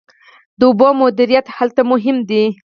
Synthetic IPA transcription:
d̪əʊbomʊd̪ɪɾijat̪halt̪amʊɦɪmd̪i

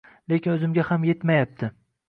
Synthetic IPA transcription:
lekʲɪnɵzɪmɡʲahamje̞t̪majap̚t̪ʰɪ

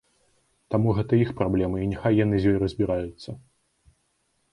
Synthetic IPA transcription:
t̪amuɣɛt̪ɐixpɾablʲɛmɨinʲɛxajːanɨzʲjɔjɾɐzʲbʲiɾajʊt̪sːɐ

